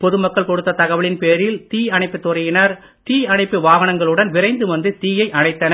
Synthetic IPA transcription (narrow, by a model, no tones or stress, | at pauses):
pɔðɯmɐkːɐɭkɔɽɯt̪ːɐt̪ɐɣɐʋɐɭɪnpeːɾɪlt̪iːɐɳɐɪpːɯt̪ːʊrɐjɪnɐɾ | t̪iːɐɳɐɪpːɯʋaːʋɐnɐŋɡɐɭɯɽɐnʋɪɾɐɪnd̪ɯʋɐnd̪ɯt̪iːjɐɪʔɐnɐɪt̪ːɐnɐ